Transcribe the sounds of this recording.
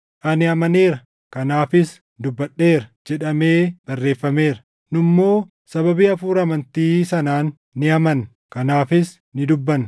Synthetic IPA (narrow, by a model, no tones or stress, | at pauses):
ʔɐnɪɐmɐneːɾɐ | kɐnaːfɪs | d̪ʊbːɐɗːe̞ːɾɐd͡ʒɛᶑɐme̞ːb̥ɐrːe̞ːfːɐme̞ːɾɐ | nʊmːo̞ː | sɐβɐbiːɐfuːɾɐmɐnt̪iːsɐnaːnː | ɪɐmɐn | kɐnaːfɪs | nɪd̪ʊbːɐn